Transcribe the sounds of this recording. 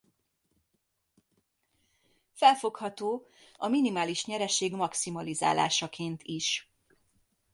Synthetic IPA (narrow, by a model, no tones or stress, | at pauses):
fɛlfo̞khɒt̪oː | ɒminimaːliʃɲɛɾɛʃeːɡmɒksimɒliza̰ːla̰ːʃɒkʰeːnt̪ʰiʃ